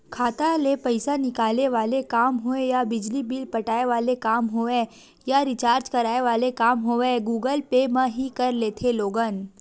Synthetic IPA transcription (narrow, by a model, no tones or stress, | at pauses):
kʰaːt̪alepɐɪsanɪkaːleʋaːlekaːmɦoẽjabɪd͡ʒlibilpɐʈaːeʋaːlekaːmɦoẽ | jaɾɪt͡ʃaːɾd͡ʒkɐɾaːeʋaːlekaːmɦoeɡuːɡəlpemãɦikɐɾleːt̪ʰeloːɡaːn